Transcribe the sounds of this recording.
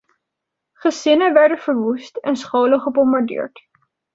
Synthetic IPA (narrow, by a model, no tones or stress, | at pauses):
χəzɪnəʋɛɹdəvəɹʋustɛnsχowləχəbɔmbaɹdɪ̰ːɹt